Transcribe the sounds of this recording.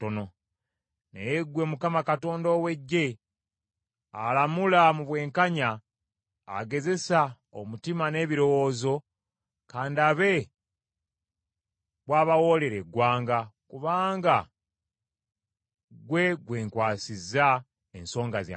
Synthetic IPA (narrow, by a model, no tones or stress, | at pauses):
tono̞ | nḛjeɡwe̞mukamakato̞ːndoːwe̞ɟːe̞ | alamulamuβwe̞ːŋkaɲaː | ɡe̞ze̞sa | omutimane̞ːβiɾo̞wo̞ːzo̞ | kaːndiaβe̞ | βwaːβawo̞le̞ɾe̞ɡwaːŋɡakuβaːŋɡa | ɡwe̞ɡwe̞ːŋkwaːsiza | enso̞ːŋɡazja̰